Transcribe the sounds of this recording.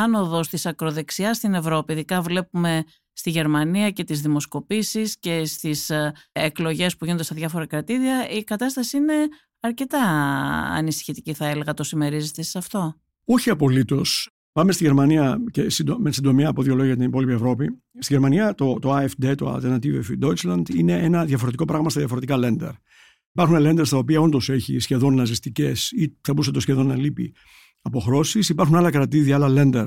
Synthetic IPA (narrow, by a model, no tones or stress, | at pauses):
ɐno̞ðo̞st̪isɐkɾo̞ðe̞ksiɐst̪ine̞vɾo̞piːðikɐvle̞pume̞ | st̪iʝe̞ɾmɐniɐce̞t̪izðimo̞sko̞pisisce̞st̪iseklo̞ʝe̞spuʝinond̪est̪ɐðʝɐfo̞ɾɐkɾɐt̪iɾiɐikɐt̪ɐst̪ɐsiine̞ | ɐɾce̞t̪ɐɐ̰nisi̥çit̪iciθɐele̞ɣɐt̪o̞sime̞ɾizit̪essɐft̪o̞ | oçiɐpo̞lit̪o̞s | pɐme̞st̪iʝe̞ɾmɐniɐce̞sid̪omesind̪o̞miɐːpo̞ðʝo̞lo̞ɣjijɐt̪inipo̞lipievɾo̞pi | st̪iʝeɾmɐniɐt̪o̞t̪o̞ɐefd̪e̞t̪oɐ̰lt̪eɾnɐt̪ioefid̪o̞it͡sslɐnd̪ine̞ʔenɐðjɐfo̞ɾe̞t̪iko̞pɾɐɣmɐst̪ɐðjɐfo̞ɾe̞t̪ikɐle̞nd̪ḛɾ | ipɐɾxunele̞nd̪est̪ɐo̞piɐo̞nd̪o̞se̞çḭsçe̞ðo̞nːɐzist̪ice̞siθɐbus̬et̪o̞sçe̞ðo̞nːɐlipḭ | ɐpo̞xɾo̞sisipɐɾxunɐlɐkɾɐt̪iðiɐɐlɐle̞nd̪eɾ